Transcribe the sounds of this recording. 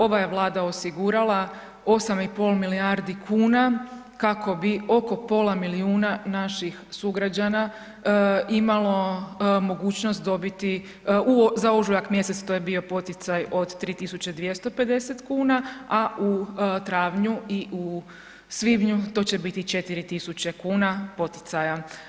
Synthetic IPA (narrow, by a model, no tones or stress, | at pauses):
o̞ʋajeʋlˠaːd̪ao̞siɡuɾalˠa | o̞samipo̞lmiliaɾd̪ikʰuːna | kakʰo̞bio̞ko̞po̞ːlˠamiliuːnanaʃixsuɡɾad͡ʑana | imalˠo̞mo̞ɡuːt͡ɕnost̪̚d̪o̞bit̪i | uzaoʒujakmje̞set̪st̪o̞jebio̞po̞t̪it̪sajo̞d̪t̪ːɾiːt̪isut͡ɕe̞d̪ʋjest̪o̞pe̞d̪e̞set̪kuːnaaʔut̪ɾaːʋɲuiʔu | sʋibɲut̪o̞ːt͡ɕe̞bit̪it͡ʃe̞t̪iɾit̪isut͡ɕekuːnapo̞t̪i̥t̪saja